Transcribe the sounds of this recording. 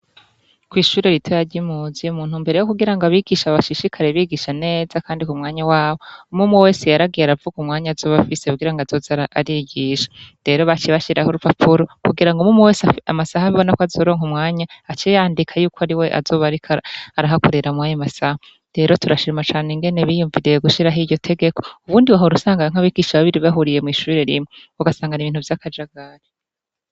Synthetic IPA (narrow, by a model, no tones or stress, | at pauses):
kwiːʃuːɾeɾitʰojaɾɟimuzijumuːn̥humbe̞ɾe̞jokuɡiɾaŋɡoaβiɡiʃaβaʃiʃikʰaɾeβiɡiʃane̞ːzakaːndikumŋaːɲawaːβo̞umumuwe̞ːsejaɾaɡijaɾavuɡumŋaːɲazo̞ːβafiseuɡiɾaŋɡaz̥o̞zaɾaaɾiɡiʃḁɾe̞ɾo̞βat͡ʃeβaʃiɾʔahoɾupapʰuɾokuɡiɾaŋɡumumuwe̞ːsamasahaβiβo̞nakoazo̞ɾo̞ːŋumŋaːɲaːt͡ʃejaːndikʰajuːkʰoaɾiwe̞ʔa̰zo̞ːβaɾikaaɾaɦakoɾeɾamwaːɲamasaha | ɾe̞ɾo̞tuɾaʃiɾimat͡ʃaːne̞ŋɡe̞ne̞βijuɱviɾejeɡuʃiɾaɦiɟo̞tʰe̞ɡe̞kʰo̞̥uβuːndiwaɦoɾusaːŋɡaaŋ̥aβiɡiʃaβaβiɾiβaɦuɾije̞mŋiːʃuɾe̞ɾimeuɡasaːŋɡaniβiːn̥uvjakʰad͡ʒaɡaɾe